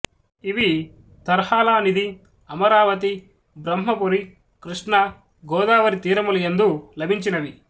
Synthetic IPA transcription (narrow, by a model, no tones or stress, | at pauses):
iʋi | t̪ɐɾhaːlaːnid̪i | ɐmɐɾaːʋɐt̪i | bɾɐmɦɐpuɾi | kɾiʂʈɳɐ | ɡɔːd̪aːʋɐɾit̪iːɾɐmuluend̪ulɐbʱiɲt͡ʃinɐʋi